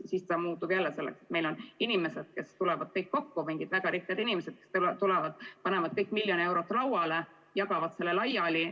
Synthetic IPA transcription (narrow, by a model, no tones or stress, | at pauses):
sist̪ɑmuːt̪ub̥jælːese̞lːekse̥t̪me̞jlo̞ninime̞sed̪̥ke̞st̪ulɛvɑd̪̥̚t̪ejt̪̚ko̞kːumiŋɡ̥id̪væɡ̥ɑɾiht̪ijɑd̪inimese̥kest̪t̪ulɛvɑd̪̥pɑne̞mɑt̪̚kɤjkːˑmilːjonie̞wɾo̞t̪ːˑlɑwɑle | jɑɡ̥ɑvɑt̪se̞lːelɑjɑli